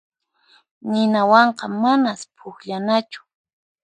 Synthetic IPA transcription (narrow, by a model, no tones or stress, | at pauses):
nɪnawɑɴqɑmanaspʰʊkʎanat͡ʃʊ̥